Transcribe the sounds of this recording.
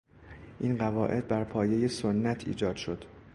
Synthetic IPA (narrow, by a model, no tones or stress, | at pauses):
ʔinɢævɒːʔe̞d̪̚bæɾpʰɒːje̞jesonːæt̪ʰḭːd͡ʒɒːd̪̥ʃo̞d̪̥